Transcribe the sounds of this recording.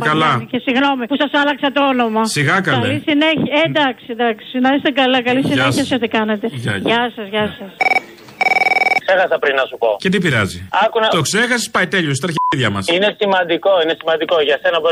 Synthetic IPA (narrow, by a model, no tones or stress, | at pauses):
pkɐlɐcesiɣno̞mipusɐsɐlɐksɐt̪oo̞no̞mɐsiɣɐkɐklɐlisineçed̪ɐksid̪ɐksinɐɾest̪ekɐlɐkɐlisineçiɐsiot̪ikɐnet̪e̞ʝɐsɐzʝɐsɐs | kse̞xɐsɐpɾinːɐsupo̞̰cet̪̬ipiɾɐ̰ziɐkunɐt̪okse̞xɐsi̥spɐjt̪e̞ʎos̬t̪ɾɐçðʝɐmɐsinesimɐnd̪iko̞ine̞simɐnd̪ikoʝɐse̞nɐbo